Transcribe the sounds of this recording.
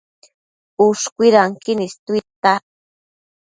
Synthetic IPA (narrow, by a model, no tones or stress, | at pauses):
ʊʃkʷiɾaŋkinist̪uit̪a